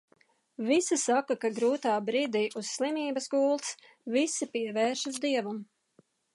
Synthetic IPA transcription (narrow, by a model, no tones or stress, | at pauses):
visisakakaɡɾuːt̪aːbɾiːd̪iːʔusːlˠimiːbɐsɡuːlˠt̪s | visipiɛvɛːɾʃuzd̪iɛvum